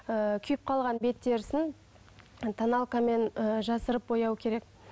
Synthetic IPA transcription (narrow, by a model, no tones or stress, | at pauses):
əkʲʰʏjɪp̚qʰɑlˠʁɑnbe̞t̪ːe̞ɾɪsɪn | t̪ʰɑnɑlˠkame̞nəʒɑsəɾəp̚bo̞jɑwəkʲʰe̞ɾe̞k